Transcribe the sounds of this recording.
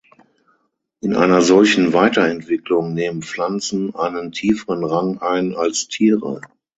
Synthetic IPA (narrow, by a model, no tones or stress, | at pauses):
ʔɪnʔa̰ɪnɐzɔlçn̩vaɪtɐɛntv̥ɪklʊŋneːmənflant͡sn̩ʔa̰ɪnəntʰiːfəʁənʁaŋʔaɪnalstʰiːʁə̰